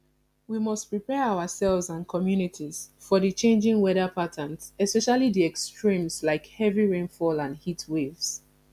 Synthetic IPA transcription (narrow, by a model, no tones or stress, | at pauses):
wimɔstpɹipɛaʊəsɛlvzãnkʰɔmjunitʰiz̥fɔðɨt͡ʃẽnd͡ʒɪ̃ŋwɛɾəpʰatʰə̃nzɛspɛʃalidiɛkstɹĩmzlaɪkhɛviɹẽnfɔlãnhitwevs